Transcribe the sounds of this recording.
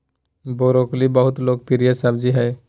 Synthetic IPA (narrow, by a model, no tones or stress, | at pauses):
boːɾoːklibəɦʊt̪loːɡ̚pɪɾijasab̚d͡ʒiɦɛː